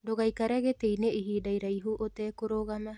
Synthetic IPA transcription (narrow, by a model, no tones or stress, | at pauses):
doɣajkaɾeɣetejneiɦiːdajɾajɦuʔoteːkoɾoɣama